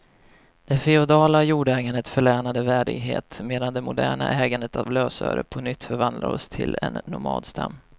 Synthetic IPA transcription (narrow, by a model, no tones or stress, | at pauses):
d̪̥ɛfɛʊd̪ɑːlajuːɖɛːɡand̪ət̪fœɭæːnad̪əvæːɖɪ̰ɡɦeːt̪meːd̪and̪ɛmʊd̪æːɳaʔɛːɡand̪ət̪avløːsœ̰ːɾəpʰɔnʏt̪ːfœɾvand̪laɾɔ̰st̪ʰɪlɛnːʊɾmɑ̰ːd̪st̪ʰa̰mː